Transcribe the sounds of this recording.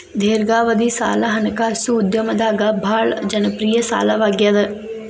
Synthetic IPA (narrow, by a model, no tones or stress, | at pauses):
d̪ʱeːɾɡaːʋɐd̪isa̰ːlaɦɐnɐkaːsuːd̪jɐmɐd̪aːɡabʱaːɭd͡ʒɐnəpɾijɐsa̰ːlaʋaɡjad̪ə